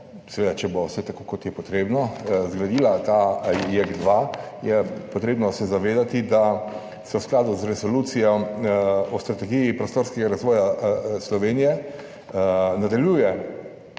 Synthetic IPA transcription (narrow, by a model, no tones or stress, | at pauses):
sɛʋeːd̪at͡ʃɛbosɛt̪akokɔt̪jɛpɔt̪ɾeːbnɔzɡɾad̪iːlat̪ajɛɡd̪ʋajɛpɔt̪ɾeːbnɔsɛzaʋeːd̪at̪id̪a | sɛwsklaːd̪uzɾɛsɔluːt̪sijɔ | ɔst̪ɾat̪ɛɡijipɾɔst̪oːɾskɛɡaɾazʋɔːjaslɔʋeːnijɛ | nad̪aljuːjɛ